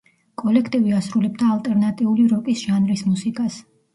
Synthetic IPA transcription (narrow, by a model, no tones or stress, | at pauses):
kʼɔlɛkʰt̪ʼiviasɾulɛb̚d̪aːlt̪ʼɛɾnat̪ʼiuliɾɔkʼisʒ̥anɾismusikʼas